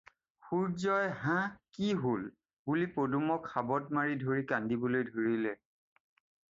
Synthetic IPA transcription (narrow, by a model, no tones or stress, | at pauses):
xuɹzɔjɦãkiɦol | bulipodumɔkxabɔtmaɹidʱoɹikandibɔlojdʱoɹilɛ